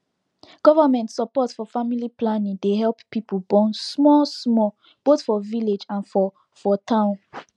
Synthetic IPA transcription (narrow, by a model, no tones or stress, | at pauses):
ɡ̥ɔvəmɛ̃ntsəpɔtfɔfamiliplanĩŋdeɦɛlppːipʰəlbɔ̃nsmɔsmɔ | b̥oθfɔviled͡ʒãnfɔ | fɔtʰãʊ̃n